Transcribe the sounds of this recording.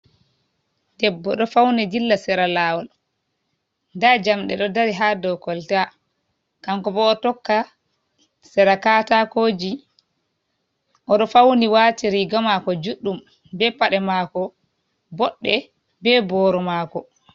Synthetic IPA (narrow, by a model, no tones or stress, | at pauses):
dɛbːɔ̰ɗɔfawnɛdilːasɛɾalaːwɔl | ndad͡ʒamɗɛ̰ɗɔdaɾiɦadɔwkɔlta | kaŋkɔbɔːtɔkːa | sɛɾakatakoːd͡ʒi | ʔɔɗɔfawniwaːtiɾiɡɔmakɔd͡ʒuɗːum | bɛpaɗɛmaːkɔ | bɔɗːɛ̰ | bɛbɔːɾɔmaːkɔ